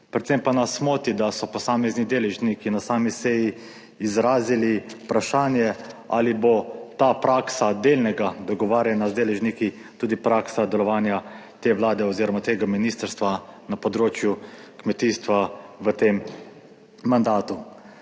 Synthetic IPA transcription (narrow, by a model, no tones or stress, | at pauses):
pɾɛt̪sempanasmoːt̪id̪asɔpɔsaːmɛznid̪eːlɛʒnikinasaːmisɛjiː | zɾaːzilipɾaʃaːnjɛa̰libot̪aːpɾaːksad̪eːlnɛɡad̪ɔɡɔʋaːɾjɛnazd̪eːlɛʒniki | t̪uːd̪ipɾaːksad̪ɛlɔʋaːnjat̪eːʋlaːd̪ɛɔziːɾɔmat̪eːɡaminiːst̪əɾst̪ʋanapɔd̪ɾoːt͡ʃjukmɛt̪iːst̪ʋaʋət̪emː | and̪aːt̪u